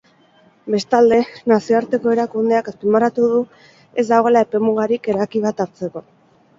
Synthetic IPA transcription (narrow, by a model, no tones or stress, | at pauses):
be̞st̪ald̪e̞nasioaɾt̪e̞ko̞e̞ɾakund̪e̞akaspimaɾat̪uðu | ezd̪awɣ̞o̞laepe̞muɣaɾike̞ɾajkiβ̞at̪aɾt͡seko̞